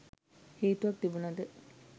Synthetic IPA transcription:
hiːt̪uʋɐk̚t̪ibunɐd̪ə

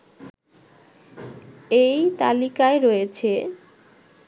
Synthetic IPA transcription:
ejt̪a̰likaeɾɔet͡ɕʰe

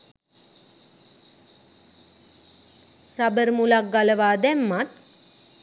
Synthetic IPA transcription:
rabəɾmulak̚ɡaləʋaːd̪æmːat̪̚

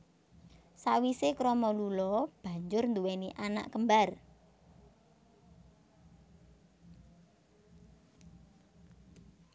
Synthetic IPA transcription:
sawisekɾɔmɔlulɔb̥ä̤ɲd͡ʒʊrnd̪uweniʔana̰ʔkəmbar

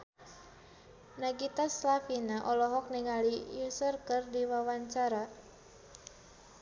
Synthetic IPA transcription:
naɡit̪aslafinaʔɔlɔɦɔk̚niŋaliusərkɨrdiwawaɲt͡ʃaɾa

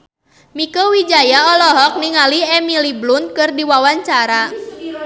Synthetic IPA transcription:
mikəwid͡ʒajaɔlɔɦɔk̚niŋaliɛmiliblʊnkɨrdiwawaɲt͡ʃaɾa

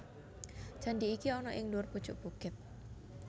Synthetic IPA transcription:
d͡ʒ̥andiːkiɔnɔʔɪŋluʊrpud̥t͡ʃʊʔb̥uɡ̥ɪt̪̚

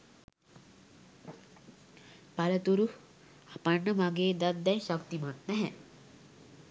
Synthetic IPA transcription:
pɐlɐt̪uɾu | apɐɳːɐmɐɡeːd̪ɐd̪ːɛjʃɐkt̪imat̪̚nɛɦɛ

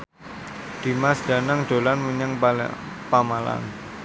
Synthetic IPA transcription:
d̪̥i̤masd̥a̤naŋd̥o̤lanmuɲaŋpamala̰n

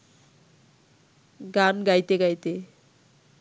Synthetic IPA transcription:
ɡanɡajt̪eɡajt̪e

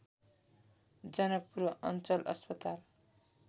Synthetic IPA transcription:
d͡zʌnʌk̚puɾʌʔʌ̰nt͡sʌlʔʌ̰spʌt̪al

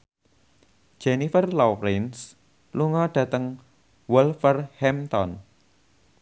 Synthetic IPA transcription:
d͡ʒ̥enifərlɔɾɪns | luŋɔɖ̥ä̤t̪əŋ | wulfərhɛmt̪ɔn

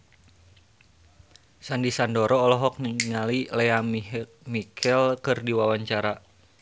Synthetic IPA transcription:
sandisandɔɾɔːlɔɦɔk̚niŋalileam | mikʰɛlkɨrdiwawaɲt͡ʃaɾa

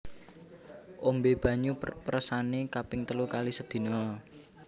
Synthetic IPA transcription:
ʔombeb̥ä̤ɲupəɾəsanekapɪŋt̪əlukalisəd̪̥i̤nɔ

